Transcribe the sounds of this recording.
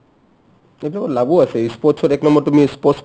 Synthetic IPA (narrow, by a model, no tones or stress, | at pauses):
ebilakɔtlabuasɛispɔsʰɔtɛknɔmbɔɹtumispɔs